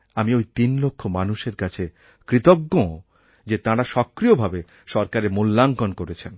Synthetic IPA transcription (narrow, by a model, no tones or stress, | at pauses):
amiojt̪inlokʰːomanuʃeɾkat͡ɕʰe | kɾit̪okːõ | d͡ʑet̪ãɾaʃɔkːɾiobʱabe | ʃɔɾkaɾemulːaŋkonkoɾet͡ɕʰen